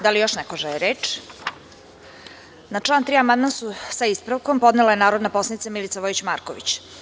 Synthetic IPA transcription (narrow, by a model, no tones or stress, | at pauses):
d̪alijo̞ʃnɛkoʒɛɛɾeːt͡ʃ | nat͡ʂlant̪ɾiamand̪mansusaispɾaʋkompo̞d̪nelajenaːɾo̞d̪naposlanit̪samilit̪saʋojit͡ɕmaːɾkoʋḭt͡ɕ